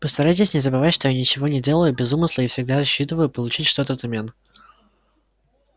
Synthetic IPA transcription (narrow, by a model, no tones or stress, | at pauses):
pəst̪ɐɾajtʲɪsʲnʲɪzəbɨvatʲʂt̪ojanʲɪt͡ɕɪvo̞nʲɪdʲe̞lˠəjʊbʲɪzumɨslˠəifsʲɪɡ̚d̪azɐɕːit̪ɨvəjʊpəlˠʊt͡ɕitʲʂt̪o̞t̪əvzɐmʲen